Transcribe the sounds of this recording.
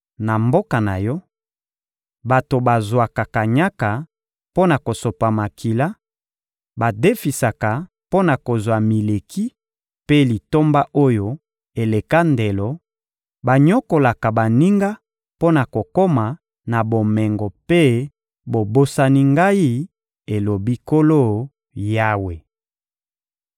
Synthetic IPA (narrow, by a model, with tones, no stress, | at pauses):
na˨mbo˦ka˨na̰˨jɔ˦ | ba˨to˨ba˨zwa˨ka˨ka˨ɲa˦ka˨ | po˦na˨ko˨so˨pa˨ma˨kʰi˨la˦ | ba˨de˦fi˨sa˨ka˨ | po˦na˨ko˨zwa˨mi˨le˨kʰi˦ | pe˦li˨to˦mba˦ʔo˦jo˨ | e˨le˨ka˦nde˨lɔ˨ | ba˨ɲɔ˦ko˨la˨ka˨ba˨ni˦ŋɡa˦ | po˦na˨ko˨ko˦ma˨ | na˨bo˨mɛ˨ŋɡɔ˨pe˦ | bo˨bo˦sa˦ni˦ŋɡa˦i˦ | e˨lo˨bi˦ko˦lo˦ | ja˦we˨